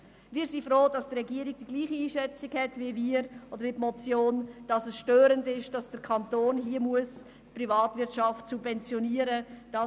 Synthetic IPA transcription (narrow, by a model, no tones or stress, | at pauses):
viːsifroːd̥ɑsd̥rɛɡiːəɾiɡ̚d̥iɡ̥liːχiiːʃɛt͡sɪɡhɛtviviːɾod̥əɾvipmɔt͡sjoːnd̥ɑsəsʃtøːɾəndɪʃd̥ɑsd̥əɾkʰɑntoːnɦiəmuəs | privɑːtvɪtʃɑftsubvɛnt͡sjoniəɾəd̥ɑ